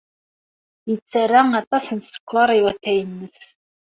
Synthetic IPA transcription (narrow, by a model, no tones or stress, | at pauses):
it͡sʰɐɾaŋat̪ʼasɨnskʷʰaɾiwatʰajnːɨs